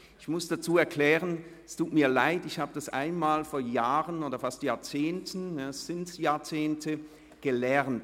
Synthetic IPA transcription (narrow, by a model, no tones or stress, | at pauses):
ɪçmʊsd̥at͡suːɛɐkʰlɛːʁən | stuːtmiːɐlaɪtɪçhaːbəd̥asʔa̰ɪnmaːlfoːɐjaːʁənoːdɐfastjaːɐt͡seːntn̩ɛsɪntjaːɐt͡seːntʰə | ɡ̥əlɛʁnt